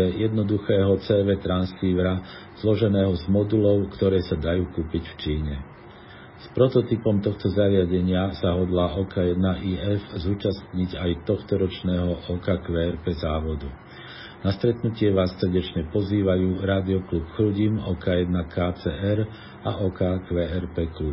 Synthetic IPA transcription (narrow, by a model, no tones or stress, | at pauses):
ɛjɛd̪nɔd̪uxɛːɦɔt͡sɛːʋɛt̪ɾansiːʋɾa | z̥lɔʒɛnɛːɦɔzmɔd̪ulɔʊkt̪ɔɾɛːsad̪ajuːkuːpicft͡ʃiːɲɛ | spɾɔt̪ɔt̪ipɔmt̪ɔxt̪ɔzaɾɪaɟɛɲɪasaɦɔd̪laʔɔːkajɛd̪naʔiːɛfzuːt͡ʃast̪ɲiɟajt̪ɔxt̪ɔɾɔt͡ʃnɛːɦɔʔɔːkaːkʋɛːɛɾpɛzaːʋɔd̪u | nast̪ɾɛt̪nucɪɛʋaːsːɾ̩ɟɛt͡ʃɲɛpɔziːʋajuːɾaːd̪iɔklupxɾuɟimɔːkaːjɛd̪nakʰaːt͡sɛɛɾ | aʔɔːkaːkʋɛːɛɾpɛːklup̚